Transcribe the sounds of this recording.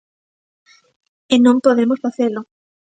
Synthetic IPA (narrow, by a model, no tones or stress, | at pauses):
ɪnõmpoðemosfaθelʊ